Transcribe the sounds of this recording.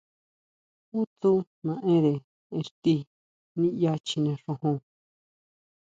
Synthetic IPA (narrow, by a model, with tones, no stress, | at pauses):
u˦t̪u˦ | nã˧ʔẽ˦ɾe˨ | ẽ˧ʂt̪i˧ | nĩ˦ja˧t͡ʃi˧nẽ˧ʂõ˧hõ˧